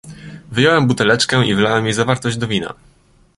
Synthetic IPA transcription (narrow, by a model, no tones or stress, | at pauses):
vɘjɔwɛmbut̪ɛlɛt͡ʂkɛʔivɘlawɛmjejzavaɾt̪ɔʑd͡ʑd̪ɔvʲina̰